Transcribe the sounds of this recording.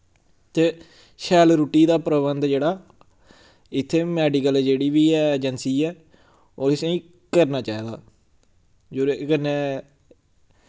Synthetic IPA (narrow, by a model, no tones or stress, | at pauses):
t̪eː | ʃɛːlɾuːʈiːd̪aːpɾəbənd̪d͡ʒeːɽaː | ɪt̪ʰːeːmɛːɖiːkəld͡ʒeːɽiːʋiːɛːd͡ʒənsiːɛː | oːɪsẽːĩː | kəɾnaːt͡ʃaːiːd̪a̰ː | d͡ʒoːɾekənːeː